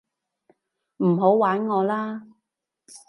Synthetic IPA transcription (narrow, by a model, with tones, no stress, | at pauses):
m̩˨˩ɦo˨˥wwaː˨˥nŋɔː˨˧laː˥